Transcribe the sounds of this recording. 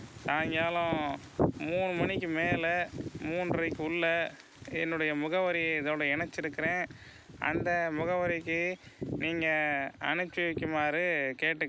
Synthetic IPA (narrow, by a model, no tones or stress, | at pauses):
naːŋɡjaːlʊ̃ | muːɳɯmɐnɪkːɯmeːlɐmuːnɾɐɪkːɯʊɭːɐ | ɛnːɯɽɐjɐmʊɣɐʋɐɾiɪðoːɽɐɛnɐt͡ʃːɪɾɯkːɪɾẽː | ɐ̰nd̪ɐmʊɣɐʋɐɾɪkːɯniːŋɡɐɐ̰nɯt͡ʃːɪʋɪkːɯmaːɾɯkeːʈːɯ